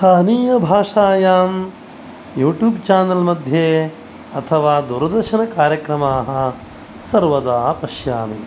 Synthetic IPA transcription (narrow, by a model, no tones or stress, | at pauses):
t̪ʰaːniːjɐbʱaːʂaːjaːm | juːʈjuːbt͡ʃaːnɐlmɐd̪ʱjeː | ɐt̪ʰɐʋaːd̪uɾɐd̪ɐɾʃɐnɐkaːɾjɐkɾɐmaːɦɐ̆ | sɐɾʋɐd̪aːpɐʃjaːmi